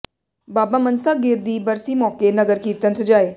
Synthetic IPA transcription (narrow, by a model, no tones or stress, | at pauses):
baːbaːmənsaːɡɪɾd̪iːbəɾsimɔːkenɐɡəɾkiːt̪ənsd͡ʒaːeː